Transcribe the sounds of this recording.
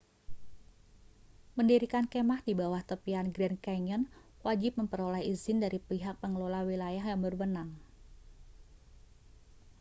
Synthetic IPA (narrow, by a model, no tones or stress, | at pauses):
məndiɾikankemahdibawaht̪əpianɡɾɛnkaɲənwad͡ʒɪp̚məmpəɾolaiizɪndaɾipiɦak̚pəŋəlolawilajaɦjaŋbərwənaŋ